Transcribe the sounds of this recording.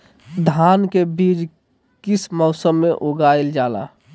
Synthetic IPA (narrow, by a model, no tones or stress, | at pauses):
d̪ʱaːnkebid͡ʒ | kismɔʊsəmːeʔoɡaild͡ʒaːla̰